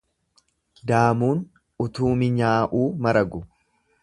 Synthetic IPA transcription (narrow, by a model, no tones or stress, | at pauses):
d̪aːmuːn | ʊt̪uːmɪɲaːʔuːmɐɾɐɡʊ